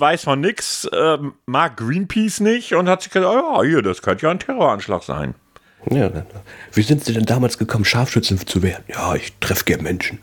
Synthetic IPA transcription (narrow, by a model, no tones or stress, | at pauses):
vaɪsfɔnːɪksɛːmaːk̚ɡ̥ʁiːnpʰiːsnɪçʊnthatz̥ɪçɡ̥əzaːjaːhiːɐdaskʰœntəjaːntʰɛʁoːɐʔanʃla̰ːxz̥a̰ɪn | jaːnanav̥iːzɪntz̥iːdɛndaːmaːlsɡ̥əkʰɔmən̩ʃaːfʃʏt͡sn̩t͡suveːɐdn̩jaːʔɪçtʁ̥ɛfəɡ̥ɛɐnmɛnʃn̩